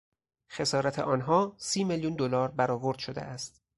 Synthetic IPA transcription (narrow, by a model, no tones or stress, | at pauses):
xe̞sɒːɾæt̪ʰḛʔɒːnɦɒːsiːmeljund̪olɒːɾbæɾɒːvoɾd̪ʃod̪ḛʔæst̪